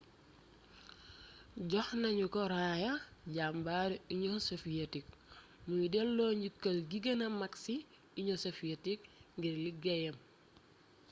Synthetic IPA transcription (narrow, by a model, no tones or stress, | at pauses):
ɟɔxnɐɲukɔɾaːjɐɟambaɾiɲɔsofijetik̚ | mujdɛlːɔɲɟikːɐlɡiɡɐnɐmaksi | iɲɔsofijetik̚ŋɡiɾliɡɛjɐm